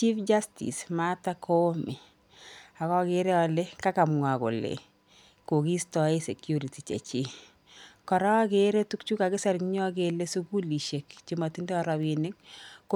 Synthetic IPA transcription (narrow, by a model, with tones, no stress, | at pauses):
t͡ʃi˦fd͡ʒa˦stḭ˨sma˦ta˦kʰo˦mi˨ | a˨kɔ˦ke˦ɾɛ˦a˨le˦ka˦ka˨mŋa˨ko̰˨lḛ˨ | ko˨ki˦stɔ˦e˦se˨kju˦ɾi˨ti˨t͡ʃḛ˨t͡ʃi˦ | kɔ˨ɾa˦a˦ke˨ɾe˦tu˦k̚t͡ʃu˦ka˨kɪ˦sa˦ɾkɲɔ˦k̬e˨le˦su˦ku˦li˨ʃe˨kt͡ʃima˨ti˦ndɛ˦ɔ˦ɾa˨bi˨nɪ˦kk